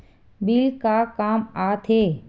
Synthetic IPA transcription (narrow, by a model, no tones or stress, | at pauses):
bilkakaːmaːt̪ʰeː